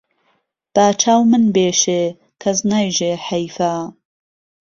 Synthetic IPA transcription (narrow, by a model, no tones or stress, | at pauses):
b̥aːt͡ʃʰaːwmɨnbeːʃeː | kʰɐznaːjʒeːħɐjfaː